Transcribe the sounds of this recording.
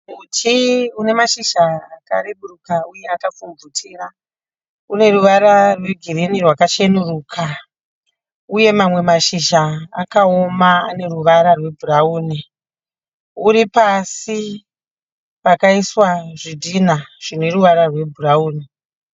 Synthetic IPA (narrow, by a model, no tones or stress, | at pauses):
utʰiune̞maʃiʃaːka̰ɾeɓurukauje̞akafumbutʰiːra | une̞ruʋaɾarweɡʱiɾinirwakaʃenuruːkʰa | uje̞mamwe̞maʃiʃaːkao̞maːne̞ruʋaɾarwe̞bʱurauːni | uɾipasi | pakaiswaʐidʱinaʐ̥ine̞ruʋaɾarwe̞bʱurauːni